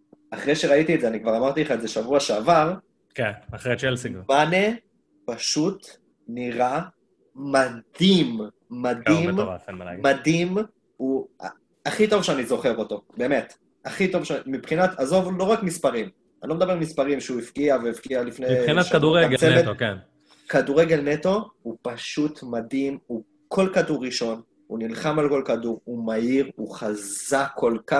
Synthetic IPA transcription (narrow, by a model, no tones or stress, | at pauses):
aχʁejʃeʁait̪iezeanikvaʁamaʁt̪ileχaezeʃavuaʃeavaʁ | kenaχʁet͡ʃelsmane | paʃut̪ | niʁa | mad̪imː | ad̪immad̪im | ua̰ | aχit̪o̞vʃeanizo̞χe̞ʁo̞t̪o̞be̞me̞t̪ | aχit̪o̞vʃmipχinat̪azo̞vlo̞ʁakmispaʁim | ʔa̰nloed̪abe̞almispaʁimʃeuifkiaveifkialifneinaʃaduʁeɡt͡seveten | kaduʁeɡelneto̞upaʃut̪madimu | kʰo̞lkaduʁːiʃo̞n | ṵnilχamalko̞lkaduʁumaiʁuχazakʰːolka